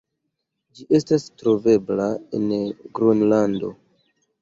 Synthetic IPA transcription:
d͡ʒiʔe̞stastɾo̞ve̞blae̞̰nɡɾunlando̞̰

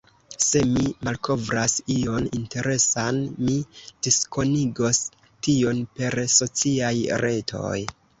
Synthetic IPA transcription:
se̞mimalkʰo̞vɾasio̞ninte̞ɾe̞sanmid̥isko̞niɡo̞s | tio̞npe̞ɾso̞t͡siajɾe̞tʰo̞̰j

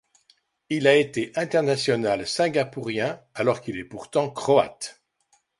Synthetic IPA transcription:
ilaet̪eʔɛ̃t̪ɛʁnasjɔnalsɛ̃ɡapuʁjɛ̃ | alɔʁkilɛpuʁt̪ɑ̃kχɔa̰t̪

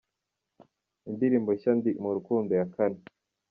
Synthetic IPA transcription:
ind̪iɾiːmboʃand̪imuɾukuːndojakani

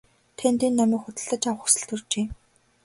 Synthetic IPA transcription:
t̪ʰent̪iːnːɔmʲiːkxʊt̪ə̆ɮt̪ə̆t͡ɕaw̆χxu̥sɘ̆ɬɮt̪ɵ̆rt͡ɕeː

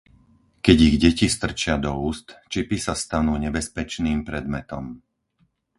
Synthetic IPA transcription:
kɛɟiɣɟɛcist̪r̩t͡ʃɪad̪ɔuːst̪t͡ʃipisast̪anuːɲɛbɛspɛt͡ʃniːmpɾɛd̪mɛt̪ɔm

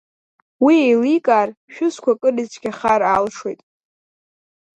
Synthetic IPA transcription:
wiejlikʼaːrʃᶣʊskʷʰakʼɨrizt͡ʃʰʼɡʲaχaɾalʂwejtʼ

